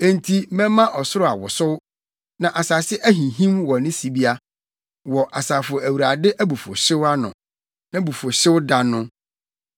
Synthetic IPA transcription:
ẽ˨n˨tʰi˦mɛ̃˦mã˦ʔɔ˨sʊ˦ɾʊ˦a˨wɔ˨sʊ˦w | nã˨ʔa˨saː˨sɪ˦ʔæ˦ɦĩ˨ɦĩ˦mwɔ˨nɪ̃˦si˨bi˦a˦ | wɔ˨ʔa˨saː˨fʊ˨ɔ˨æ˨wu˨ɾa˨dɪ˦ʔæ˦bu˨fo̰˨ɕɪ˦wa˦nʊ̰̃˨ | nã˦bu˨fo˨ɕɪ˦wda˨nʊ̃˦

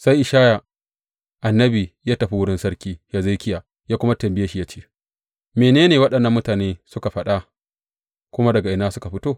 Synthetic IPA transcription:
sa˦jʔɪ˨ʃaː˦ja˨ | ʔa˨nːɐ˦biː˨jaː˦tɐ˨ɸi˦wʊ˦ɽɪ˦nsɐ˦ɾkʲiː˦jaː˦ze˦kʲɪ˦ja˨ | jaː˦kʷʊ˦ma˦tɐ˨mbɪ˦ja˦ʃi˦ja˦t͡ʃe̥ː˦ | meː˨neː˦neː˨wɐ˦ɗɐ˨nːɐ˦mːʊ˦taː˨neː˦sʊ˦ka˨ɸɐ˦ɗa˦ | kʷʊ˦ma˦dɐ˨ɡa˨ʔɪ˨naː˦sʊ˦ka˨ɸɪ˦toː˦˨

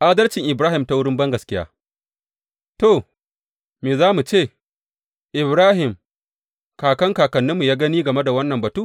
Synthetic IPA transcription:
ʔa˦dɐ˦rt͡ʃɪ˨ŋʔɪ˨bɾaː˦hɪ˨mta˦wʊ˦ɽɪ˦mbɐ˦ŋɡɐ˨skʲɪ˦ja̰ː˦ | to˨ | meː˨zaː˦mu˨t͡ʃeː˦˨ | ʔɪ˨bɾaː˦ɦɪ˨m | kaː˨kɐ˦ŋkaː˨kɐ˨nːɪ˦mːu˨jaː˦ɡɐ˦niː˦ɡɐ˨me˦da˨wɐ˦nːɐ˨mbɐ˨tuː˦

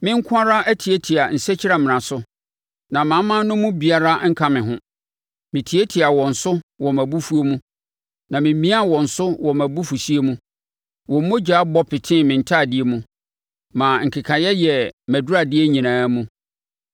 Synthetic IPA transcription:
mɪ̃˦ŋ̩˦kʰʊ̃˦a˦ɾa˦æ˦tʰi˨e˦tʰi˨a˨n̩˨sɛ˦t͡ɕʰɪ˦ɾa˨mɪ̃˨ã˨sʊ˦ | nã˨mã˨˦mːã˦nʊ̃˦mũ˦bi˨a˦ɾa˦ŋ̩˦kʰa˦mɪ̃˨ɦʊ̃˦ | mɪ̃˨tʰi˨˦e˦tʰi˨a˨wɔ̃˨n̩˨sʊ˦wɔ˨mæ˨bu˦fu˦o˦mũ˦ | nã˨mɪ̃˨m˦mĩ˦a˦wɔ̃˨n̩˨sʊ˦wɔ˨mæ˨bu˦fu˨si˦e˦mũ˦ | wɔ̃˨m̩˦mo˦d͡ʑa˨˦bɔ˦pʰɪ˨tʰɪ̃˦˨mɪ̃˨n̩˨tʰa˦˨dɪ˦e˦mũ˦ | mã˨ŋ̩˨kʰɪ˨kʰã˨jɛ˦jɛ˨mæ˨dʊ˦ɾa˨dɪ˦e˦ɲĩ˨nãː˨˦mũ˦

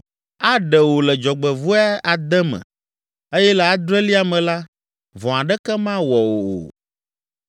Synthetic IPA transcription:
a˦ɖɛ˨wo˨lɛ˨d͡ʒɔ˨ɡ͡bɛ˨vu˦ɛ˦a˨d̪ɛ˦mɛ̰̃˨ | e˦jɛ˦lɛ˨a˦d̪ɾɛ˦li˦a˨mɛ̃˨la˦ | vɔ̃˨a˨ɖɛ˦kɛ˦mã˦wɔ˨wo˨o̰˨

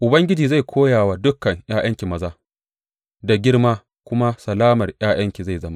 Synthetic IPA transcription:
ʔʊ˨bɐ˦ŋɡʲɪ˦d͡ʒiː˨za˦˨jkʷʰoː˦jaː˨waː˦dʊ˦kːɐ˨ŋj̰aː˦j̰ɐ˦ŋkʲi˨mɐ˦zaː˦ | da˨ɡʲɪ˦rmaː˦ | kʷʊ˦ma˦sɐ˨laː˦mɐ˨rj̰aː˦j̰ɐ˦ŋkʲi˨za˦˨jzɐ˦ma˦

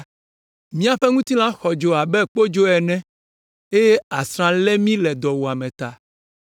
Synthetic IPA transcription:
mĩ˦a˨ɸɛ˦ŋũ˦t̪i˦lã˦xɔ˨d͡ʒo˨a˨bɛ˦k͡po˦d͡ʒo˦ɛ˨nɛ̃˦ | e˦je˦a˨sɾ̃ã˨lɛ˦mĩ˦lɛ˨d̪ɔ˨wo˨a˨mɛ̃˨t̪a˨

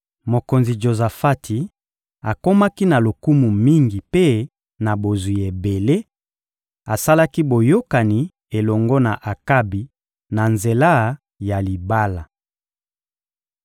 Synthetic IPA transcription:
mo˨ko˨nzi˨d͡ʒo˨za˨fa˦tʰi˨ | a˨ko˦ma˦ki˦na˨lo˨ku˦mu˨mi˦ŋɡi˨pe˦ | na˨bo˨zu˨e˨be˨le˦ | a˨sa˦la˦ki˦bo˨jo˦ka˨ni˨ | e˨lɔ˨ŋɡɔ˦na˨ʔa˨ka˦bi˨ | na˨nze˨la˦ | ja˨li˨ba˦la˨

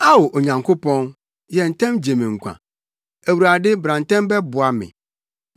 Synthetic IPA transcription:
a˦wo˨ʔo˨ɲã˨ŋkʰʊ˦pɔ̃˦n | jɛ˨n̩˨tʰɛ̃˦md͡ʑe˨mɪ̃˨ŋ̩˨kʷʰã̰˨ | æ˨wu˨ɾa˨dɪ˦bɾã˨n̩˨tɛ̃˦mbɛ˦bʊ˨a˨mɪ̰̃˨

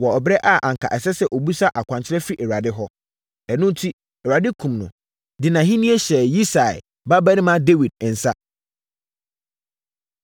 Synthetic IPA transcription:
wɔ˨ɔ˨bɛ˦ʔa˦˨ʔã˨ŋ̩˨kʰa̰˨ʔɛ˨sɛ˦sɛ˦ʔo˨bu˦sa˦ʔa˨kʷã˨ɲt͡ɕʰɪ˦ɾɛ˦fi˦ʔɛ˨ɾa˨dɪ˦ɦɔ˦ | ɛ˨nʊ̃˦n˦tʰi˦ | ɛ˨ɾa˨dɪ˦kʰũ˨mnʊ̰̃˨ | dɪ˨nã˨ɦĩ˦nĩ˦ɛ˦ɕɛ˨ji˦sa̰˨ | ba˦bɛ˦nɪ̃˦mã˦de˦wi˨d̚n̩˨sa˦

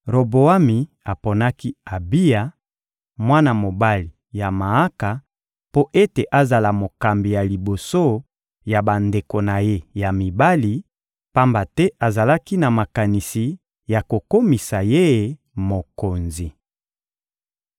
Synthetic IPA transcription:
ʁo˨bo˨a˦mi˨ | a˨po˨na˦ki˦a˨bi˦ja˨ | mwa˦na˨mo˨ba˦li˨ | ja˨ma˨a˦ka˨ | po˦ʔe˦te˨ʔa˦za˨la˨mo˨ka˨mbi˨ja˨li˨bo˨so˦ | ja˨ba˨nde˨ko˨na˨je˦ja˨mi˨ba˦li˨ | pa˦mba˨tɛ˦ʔa˨za˨la˦ki˦na˨ma˨ka˨ni˨si˨ | ja˨ko˨ko˦mi˨sa˨je˦je˦ | mo˨ko˨nzi˨

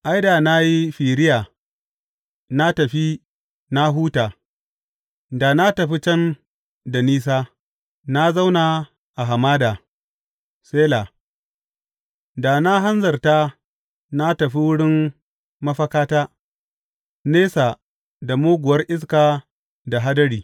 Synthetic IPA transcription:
ʔa˦jda˨na˦ji˦ɸiː˨ɾɪ˦jaː˨ | na˦tɐ˨ɸi˦ | na˦ɦuː˦taː˨ | da˨na˦tɐ˨ɸi˦t͡ʃɐ˦n | da˨niː˦s̬aː˦ | na˦za˦wna˨ | ʔa˨ɦa˨maː˦da˨ | seː˦la˨ | da˨na˦ɦa˦nzɐ˨rta˦ | na˦tɐ˨ɸi˦wʊ˦ɽɪ˦m | mːɐ˦ɸɐ˦kaː˦taː˦ | neː˦sa˨ | da˨moː˦ɡʷʊ˨wɐ˦rʔɪ˦s̬kaː˨ | da˨ɦa˦dɐ˦ɽiː˨

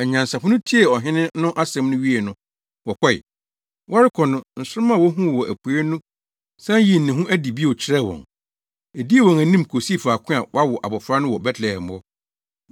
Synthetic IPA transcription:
ɛ˨ɲã˨n˨sa˨fʊ˦nʊ̃˦tʰi˦e˨ɔ˨ɦɪ̃˦nɪ̃˦nʊ̃˦ʔa˦sɛ̃˦mnʊ̃˦ɥi˦e˨nʊ̃˦ | wɔ˨kʰɔ˦ɪ̰˨ | wʔɔ˦ɾɪ˦kʰɔ˨nʊ̃˦n̩˨sʊ˦m˦ã˦˨wɔ˦ɦũ˦˨wɔ˨ʔæ˨pʰu˨e˦nũ˦ | sã˦ji˦˨n̩˨nɪ̃˨ɦũ˦ʔæ˦di˨bi˦˨ɔ˨t͡ɕʰɪ˦ɾɛ˦wɔ̰̃˨ŋ | e˨di˦e˦wɔ̃˨ŋæ˨nĩ˦mkʰo˨si˦˨fa˨kʰʊ̃˦a˨wa˦wɔ˨ʔa̰˨bɔ˨fɾa˦nʊ̃˦wɔ˨bɛ˦tʰlɛ˨ɛ˨m˨˦ɔ˦

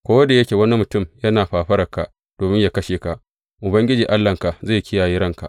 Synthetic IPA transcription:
kʷoː˦wɐ˦da˨jɐ˦kʲeː˨wɐ˦ni˦mʊ˨tʊ˦˨mjɐ˦naː˨ɸaː˨ɸɐ˦ɾɐ˨ka˨ʔ | d̥oː˨mɪ˦ɲjaː˨kɐ˦ʃeː˨ka˨ʔ | ʔʊ˨bɐ˦ŋɡʲɪ˦d͡ʒiː˨ʔa˦lːɐ˨ŋka˨ʔzeː˦˨jkʲɪ˦jaː˨jiː˦ɾɐ˦ŋka˨ʔ

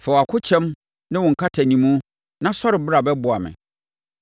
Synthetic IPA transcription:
fɛ˨a˨kʰʊ˦t͡ɕʰɛ̃˦m | nɪ̃˦wʊ̃˨ŋ̩˨kʰa˦tʰa˨ɲĩ˨mũ˦ | nã˦sɔ˦ɾɪ˨bɪ˦ɾa˨bɛ˦bʊ˨a˨mɪ̰̃˨

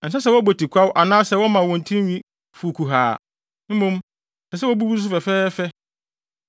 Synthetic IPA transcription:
n̩˨sɛ˦s̬ɛ˦wɔ˦bo˨tʰi˨kʰʷa˦wʔa˨nãː˦sɛ˨˦wɔ˦mã˨wɔ̃˨n˨tʰĩ˦ɥĩ˦ | fu˨kʰu˨ɦaː˨ | m̩˦mũ˦m˨ | sɛ˨s̬ɛ˦wɔ˦bu˦bu˦s̬ʊ˦fɛ˨fɛː˦fɛ˦

